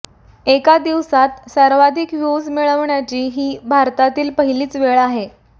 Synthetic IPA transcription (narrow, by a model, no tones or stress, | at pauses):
ekad̪iʋsat̪səɾʋad̪ʱikʋjud͡zmiɭəʋɳjat͡ɕiːɦiːbʱaɾt̪at̪iːlpəɦiliːt͡sʋeɭaɦe